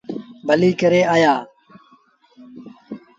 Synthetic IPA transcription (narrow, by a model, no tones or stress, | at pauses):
bʱəliːkəɾeːaːjaː